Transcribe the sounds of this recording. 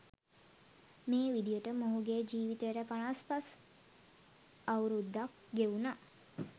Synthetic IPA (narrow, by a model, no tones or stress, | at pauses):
meːʋid̪ijəʈəmoɦuɡeːd͡ʒiːʋit̪əɾəpanaspas | awɾud̪ːak | ɡeuna